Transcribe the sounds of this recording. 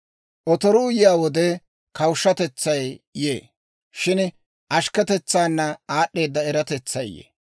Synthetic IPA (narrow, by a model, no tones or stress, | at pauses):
ʔɔt̪ɔɾuːjɪjaːwɔd̪ɛ | kɐwʃːɐt̪ɛt͡sːɐjjḛː | ʃɪn | ʔɐʃkɛt̪ɛt͡sːaːnːɐaːɗːe̞ːd̪ːɐɛɾɐt̪ɛt͡sːɐjjḛ